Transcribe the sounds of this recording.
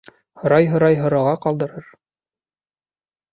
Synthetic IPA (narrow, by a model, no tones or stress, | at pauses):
hŏɾɑjɦŏɾɑjɦŏɾɑʁɑqɑlˠd̪ɤ̆ɾɤɾ